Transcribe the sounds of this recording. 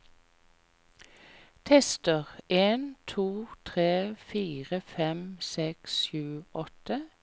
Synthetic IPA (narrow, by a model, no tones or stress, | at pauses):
t̪ʰɛst̪əʁʔeːnt̪ʰuːt̪ʰʁeːfiːʁəfɛmsɛksʃʉːɔt̪ə